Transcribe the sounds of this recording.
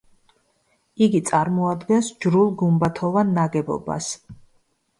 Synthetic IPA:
iɡit̪sʼaɾmɔad̪ɡɛnsd͡ʒɾulˠɡumbat̪ʰɔvanːaɡɛbɔ̰ba̰s

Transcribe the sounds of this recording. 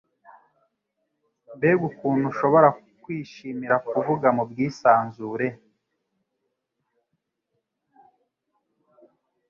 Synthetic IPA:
mbeɡukuːn̥huʃo̞βo̞ɾa | kwiːʃimiɾakuvuɡamubɡiːsaːnzuːɾe̞

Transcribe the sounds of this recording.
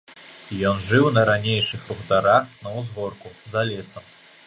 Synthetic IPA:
jɔnʐɨwnɐɾanʲejʂɨxɾuɣt̪aɾaxnɐwzɣɔrkuzalʲɛsɐm

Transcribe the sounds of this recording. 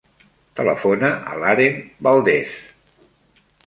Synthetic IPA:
t̪ələ̰fonəʔə̰laɾembalˠd̪es

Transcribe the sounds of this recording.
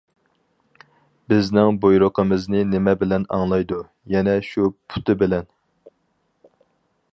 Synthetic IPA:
bɪznɪŋbojɾoqʰəmɨznɨnɪmɛbɪlɛnɑ̰ŋlˠɑjd̪u | jɛnɛʃupʰu̥t̪ʰɪbɪlɛn

